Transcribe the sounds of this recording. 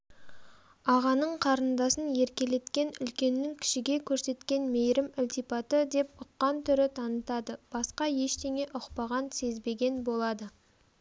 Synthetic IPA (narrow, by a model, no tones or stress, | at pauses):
ɑʁɑnəɴqʰɑɾənd̪ɑsənje̞ɾkʲe̞le̞t̪kʲe̞nʏlkʲe̞nːɪŋkʲʰɪ̥ʃɪɡʲe̞kʲʰɵɾse̞t̪kʲe̞nmejɾɪmʊlt̪ijpɑt̪əd̪e̞p̚ʊqːɑnt̪ʰʏɾɪt̪ʰɑnət̪ɑd̪əb̥ɑsqɑje̞ʃt̪e̞ŋe̞ʔʊqpɑʁɑnse̞zbe̞ɡʲe̞nbo̞lˠɑd̪ə